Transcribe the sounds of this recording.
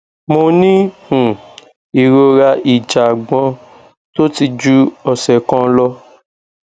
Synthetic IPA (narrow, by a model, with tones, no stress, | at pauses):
mo˧nĩ˦hũ˨ | i˨ɾo˧ɾa˧i˨d͡ʒa˨ɡ͡bɔ̃˧ | to˦ti˧d͡ʒu˦ɔ˨sɛ˨kɔ̃˧lɔ˧